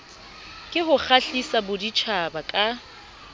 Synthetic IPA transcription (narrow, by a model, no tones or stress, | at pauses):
kʼɪɦʊk͡xaɬisabʊdit͡ʃʰabakʼa